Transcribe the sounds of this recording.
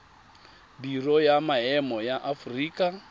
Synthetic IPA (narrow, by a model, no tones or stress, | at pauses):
birɔjamaɦɛmɔjaʔafuriːkʼa